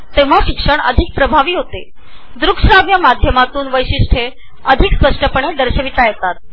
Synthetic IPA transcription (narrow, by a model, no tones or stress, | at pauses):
t̪eʋ̤aɕikʂəɳə̰d̪ʱik̚pɾəbʱaʋiːɦot̪e | d̪ɾukʂɾaʋjamad̪ʱjəmat̪uːnʋəjɕiʂʈʰe | əd̪ʱikspəʂʈəpəɳ̃ed̪əɾɕəʋit̪ajet̪at̪̚